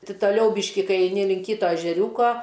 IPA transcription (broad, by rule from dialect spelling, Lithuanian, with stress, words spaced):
ˈtʲɪ tɐˈlʲɛʊ ˈbʲiːʃʲkʲɪ ˈkɐɪ ɛɪˈnʲɪ lʲɪŋk ˈkʲiːtoː ɛʒʲɛˈrʲuːkoː